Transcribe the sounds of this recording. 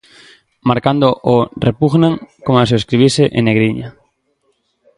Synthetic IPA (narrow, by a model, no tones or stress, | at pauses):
maɾkand̪oʔorepuɣnãŋkomaseoeskɾiβ̞iseʔḛnːeɣɾiɲa